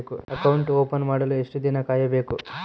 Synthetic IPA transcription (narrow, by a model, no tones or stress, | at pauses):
kuɐkɐwɳʈoːpɐnmaːɽɐlueʂʈud̪inɐkaːjɐbe̞ːku